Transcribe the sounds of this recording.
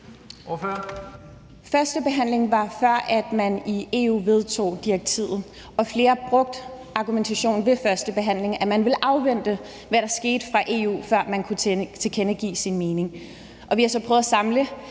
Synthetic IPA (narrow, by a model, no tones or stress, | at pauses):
føɐ | fɶɐsd̥əb̥e̝ɦæn̰le̝ŋʋɑ̈fɶɐ̰ʔæd̥mænie̝̰ṵːʋe̝ð̞ˠt͡sʰo̝̰ːd̥iaɡ̥̚t͡sʰḭð̰ˠð̩ˠ | ɒ̽fle̝ːɐb̥ʁɔ̽ɡ̥̚d̥ | ɑ̈ɡ̥ument͡sʰæɕo̝̰ːn̩ʋe̝fɶɐsd̥əb̥e̝ɦæn̰le̝ŋæmænʋe̝lʔɑ̈ʊʋen̰d̥ə | ʋæɾ̥ɑ̈ɐsɡ̥e̝̰ːd̥əfʁɑ̈ʔe̝̰ṵːfɶɐ̰mænkʰut͡sʰet͡sʰe̝kʰenəɡ̥ḭːsinme̝ːne̝ŋ | ʔɒ̽ʋihɑ̈sɒ̽pʰʁœːðˠɐsɑ̈mlə